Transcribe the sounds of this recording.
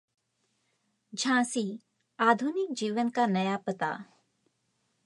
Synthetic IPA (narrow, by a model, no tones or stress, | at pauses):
d͡ʒʱãːsi | aːd̪ʱunɪk̚d͡ʒiːʋənkanɐjapɐt̪a̰ː